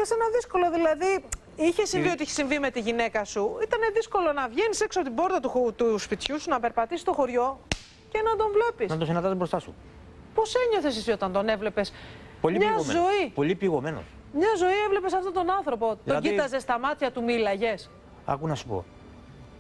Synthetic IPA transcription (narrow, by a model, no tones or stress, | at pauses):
çese̞nɐðisko̞lo̞ðilɐði | içe̞siviot̪iiçesĩɱvime̞t̪iʝine̞kɐsuit̪ɐne̞ðisko̞lo̞nɐvʝenise̞ksoɐpoibo̞ɾt̪ɐt̪ut̪uspit̪çusunɐpe̞ɾpɐt̪isi̥st̪o̞xo̞ɾʝo̞ | ce̞nɐd̪o̞ɱvle̞pisnɐt̪osinɐnd̪ɐzbɾost̪ɐsṵ | po̞se̞ɲo̞θe̞s̬iso̞t̪ɐnd̪o̞ne̞vle̞pe̞s | polimɲɐmzo̞ipolipiɣomeno̰s | mɲɐzo̞ievle̞pe̞sɐft̪ot̪onɐnθɾo̞po̞t̪oɟit̪ɐze̞st̪ɐmɐt̪çɐt̪umilɐʝe̞s | ɐ̰kunɐsu̥po̰